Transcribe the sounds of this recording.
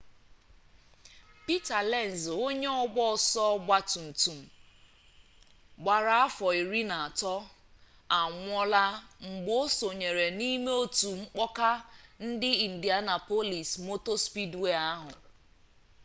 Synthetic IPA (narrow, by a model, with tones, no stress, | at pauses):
pi˦ta˨lɛ˦˨n̩˨zo˦ɲe˦ɔ˦˨ɡ͡bɔ˦˨sɔ˦ɡ͡ba˦tu˨n̩˨tu˨m̩˨ | ɡ͡ba˨ɾa˨a˦fɔ˨i˨ɾi˦na˨a˨tɔ˦ | a˨ŋʷɔ˦la˦ŋ͡m̩˨ɡ͡bo˦so˨ɲe˨ɾe˨ni˦me˦o˦tu˨ŋ͡m̩˦k͡pɔ˦ka˦n̩˦dɪ˦i˨n̩˨di˨a˦na˨po˦li˨smo˦to˦spi˦dwe˦a˦ɦʊ˨